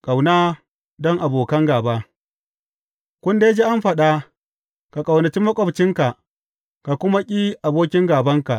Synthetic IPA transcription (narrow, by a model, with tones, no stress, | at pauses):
kʼa˨wnaː˦ | dɔ˦ŋʔa˨boː˨kɐ˦ŋɡaː˨ba˦ | kʷʊ˦nde˦d͡ʒeː˦ʔa˦mɸɐ˨ɗa˦ | ka˨kʼa˨wnɐ˨t͡ʃi˦mɐ˦kʷʼɔ˦bt͡ʃɪ˦ŋka˨ʔ | ka˨kʷʊ˦ma˦kʲʼiː˦ʔa˨boː˦kʲɪ˦ŋɡaː˨bɐ˦ŋka˨ʔ